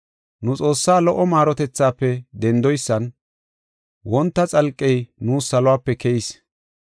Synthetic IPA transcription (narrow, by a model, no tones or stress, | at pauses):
nʊt͡sʼo̞ːsːaːlɔʔɔmaːɾɔt̪ɛt͡sːaːpːɛd̪ɛnd̪ɔjsːɐn | wɔnt̪ːɐt͡sʼɐlkʼːɛjnuːsɐlɔwaːpːɛkɛjɪs